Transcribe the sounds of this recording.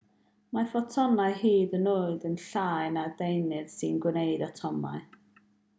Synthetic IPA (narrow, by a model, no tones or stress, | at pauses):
mafɔtʰɔnaɨhiːðənoːɨðənɬaːɨnadejnɪð̥sɨnɡwnejdatʰɔma̰ɨ